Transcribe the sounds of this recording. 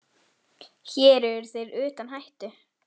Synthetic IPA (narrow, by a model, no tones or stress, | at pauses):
çɛːɾɛɾθeɾʏːt̪anɦajht̪ʏ